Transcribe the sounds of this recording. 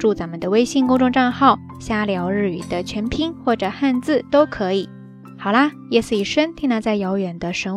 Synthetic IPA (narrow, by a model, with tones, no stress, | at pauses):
ʈ͡ʂu˥˩t͡sa˧˥nmə˨d̪ə˧we˥ɪɕi˥˧ŋkʊ˥ŋʈ͡ʂʊ˥˧ʈ͡ʂɑ˥˧ŋxɑ˥˩ʊ | ɕja˥ljɑ˧˥ʊɻ̩˥y˨˩d̪ə˦t͡ɕʰɥɛ˧˥npʰi˥ŋxwɔ˥˩ʈ͡ʂɤ˨˩xa˥˧nt͡sɹ̩˥˩t̪o˥ʊkʰɤ˧˥i˨˩˦ | xɑ˨˩ʊlɐ˦ | jɛ˥˩sɹ̩˥˩i˨˩ʂə˥nt̪ʰi˥ŋna˧˥t͡sa˥˩ɪjɑ˧˥ʊɥɛ˨˩nd̪ə˦ʂə˧˥